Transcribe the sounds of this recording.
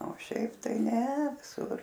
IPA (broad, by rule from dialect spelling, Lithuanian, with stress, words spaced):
oː ˈʃʲɛɪp ˈtɐɪ nʲɛ ʋʲɪˈsʊr